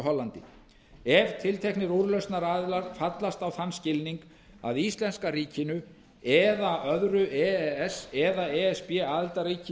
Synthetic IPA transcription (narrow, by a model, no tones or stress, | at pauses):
ɦɔlːant̪ɪ | ɛv̥t̪ʰɪlt̪ʰehknɪɾuɾlœɥst̪naɾaːðlaɾ̥fat̪last̪awθanːscɪlniŋk | a̰ðist̪lɛnskariːcɪnʏ | ɛðaʔœðɾʏʔɛɛɛsɛðaɛɛspjɛaːðɪlt̪aɾriːcɪ